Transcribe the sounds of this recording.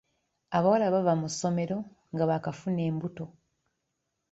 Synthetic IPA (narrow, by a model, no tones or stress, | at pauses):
aβawalaβavamusːo̞me̞ɾo̞ | ŋɡaβakafune̞ːmbuto̞